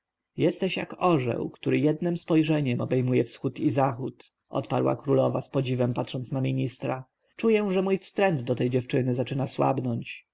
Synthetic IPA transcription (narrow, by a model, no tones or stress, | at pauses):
jɛst̪ɛɕja̰kɔʐɛ̰wkt̪uɾɘjɛd̪nɘmspɔjʐɛɲɛmɔbɛjmujɛfsxut̪izaxut̪ | ʔɔ̰t̪pa̰ɾwa̰kɾulɔva̰spɔd͡ʑivɛmpat̪ʂɔnt̪snamʲiɲist̪ɾa | t͡ʂujɛ̃ʐɛmujfst̪ɾɛnd̪d̪ɔt̪ɛjd͡ʑɛft͡ʂɘnɘzat͡ʂɘnaswa̰bnɔɲt͡ɕ